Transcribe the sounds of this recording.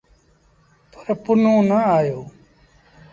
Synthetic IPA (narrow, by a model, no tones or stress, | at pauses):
pəɾpʊnõːnəaːjoː